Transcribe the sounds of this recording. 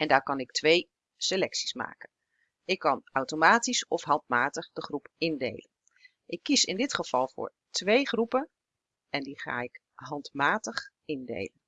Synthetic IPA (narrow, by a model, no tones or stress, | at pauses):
ɛndaːɹkɑnɪktʋej | selɛksi̥sma̰ːkən | ɪkːɑnawtomaːtisɔfɦɑntmaːtəχdəχrupɪndḛjlən | ʔɪkːisɪndɪtχəv̥ɑlˠvʊ̰ːɹ | tʋejχrupən | ɛndiχa̰ːɪk | ɦɑntmaːtəχ | ɪndḛjlən